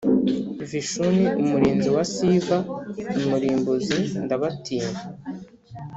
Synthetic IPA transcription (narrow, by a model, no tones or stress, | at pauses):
viʃuniumuɾiːnziwasivaumuɾiːmbuzindaβatʰiːna